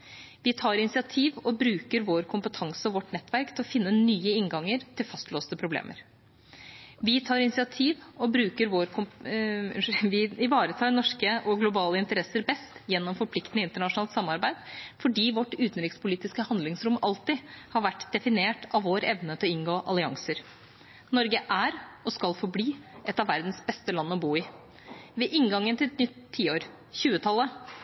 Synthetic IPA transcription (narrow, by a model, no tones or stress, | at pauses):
ʋɪt̪ʰɑːɾɪnɪsɪɑt̪ʰiːʋɔbɾʉːkəɾʋoːɾkʰʊmpət̪ʰɑŋsəɔʋɔʈnɛt̪ːʋæɾkt̪ʰɪlɔfɪnːənyːəɪŋɡɑŋːəɾt̪ʰɪlfɑst̪loːst̪əpʰɾʊblḛːmʔə̰ɾ | ʋɪt̪ʰɑːɾɪnɪsɪɑt̪ʰiːʋɔbɾʉːkəɾʋoːɾkʰʊm | ʋɪɪʋɑːɾət̪ʰɑːɾnɔʂkəʔɔɡlʊbɑːləɪnt̪əɾɛsəɾbɛst̪jɛnːɔmfɔɾpʰlɪkt̪nəɪnt̪əɳɑʂnɑːlt̪sɑmːɑɾbæɪd̪̥fɔɖiːʋɔʈːʉːt̪n̩ɾɪkspʊliːt̪ɪskəhɑnd̪lɪŋsɾʊmʔɑlt̪ɪhɑɾʋæʈːd̪ɛfɪneːʈɑʋʋoːɾɛʋnət̪ʰɪlɔɪŋɡoːʔɑ̰lɪɑ̰ŋsəɾ | nɔɾɡəʔæɾɔskɑlfɔɾbliːʔɛt̪ɑʋæɾd̪n̩sbɛst̪əlɑnːəɔbuːɪ | ʋɛʔɪŋɡɑŋːənt̪ʰɪlɛt̪nʏt̪ʰːiːoːɾ | çʉːət̪ʰɑlːə